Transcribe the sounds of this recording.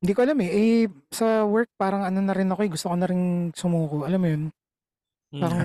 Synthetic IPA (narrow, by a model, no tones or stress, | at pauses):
nd̪iːkoʔɐlamɛʔɛsɐwɛɹk̚paːɾɐŋɐnonɐɾɪnɐkoʔɛɡʊst̪okonɐɾɪnsʊmuːkoʔɐlɐmːʊjon | paːɾɐŋ